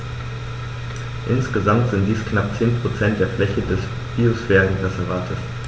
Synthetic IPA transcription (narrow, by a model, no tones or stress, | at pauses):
ʔɪnsɡ̥əzamtz̥ɪntd̥iːsknapt͡seːnpʁ̥ot͡sɛnt̚d̥eːɐflɛçədɛs | b̥iosfɛːʁən̩ʁɛzɛvaːtʰəs